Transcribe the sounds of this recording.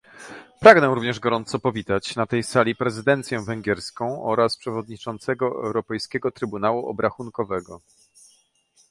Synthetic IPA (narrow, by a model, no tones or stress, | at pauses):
pɾaɡnɛɾuvɲɛʐɡɔɾɔnt̪sɔpɔvʲit̪at͡ɕnat̪ɛjsalʲipɾɛzɘd̪ɛnt̪sʲjɛ̃vɛŋɡʲjɛɾskɔ̃w̃ʔɔɾaspʂɛvɔd̪ɲit͡ʂɔnt̪sɛɡɔɛ̰wɾɔpɛjskʲɛɡɔt̪ɾɘbunawuʔɔ̰bɾaxunkɔvɛɡɔ